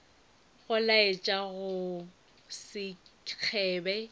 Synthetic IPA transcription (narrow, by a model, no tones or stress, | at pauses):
ɣʊlaet͡ʃʼaɣʊ | sɪk͡xʰɛːbɛ